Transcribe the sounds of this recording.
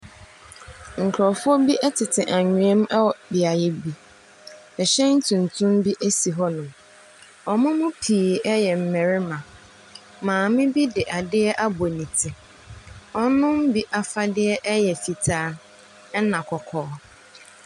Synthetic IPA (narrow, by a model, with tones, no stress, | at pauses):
ŋ̩˨kʰɾɔ˨fʊ˦ɔ˦bi˦ʔɛ˦tʰɪ˨tʰɪ˨ʔa˨ɲᶣũ˨˦ɛ̃˦m˦ɛ˦wɔ˨bɪ˨a˨jɪ˦bi˦ | ɛ˨ɕɛ̃˦n̩˦tʰũ˨n˨tʰũ˦mbi˦ʔe˦si˨ɦɔ˦nʊ̃˨m | ɔ˨mʊ̃˦mʊ̃˦pʰiː˨ɛ˦jɛ˨m̩˨mɛ̃˨ɾɪ˦mã˨ | mãː˨mɪ̃˦bi˦dɪ˨ʔa˨dɪ˦ɛ˦ʔa˦bo˨nĩ˨tʰɪ˨ | ɔ˦nʊ̃˦m̩˦bi˦ʔa˨fa˦dɪ˦ɛ˦ʔɛ˦jɛ˨fi˨tʰaː˦ | ɛ˦nã˨kʰɔ˨kʰɔː˨˦